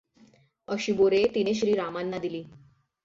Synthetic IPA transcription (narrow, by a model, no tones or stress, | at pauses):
əɕiboɾet̪ineɕɾiːɾamanːad̪iliː